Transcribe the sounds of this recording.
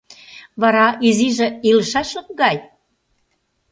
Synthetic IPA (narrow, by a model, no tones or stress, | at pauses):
βɑɾɑʔiziʒĕiləʃɑʃlək̚ɡɑj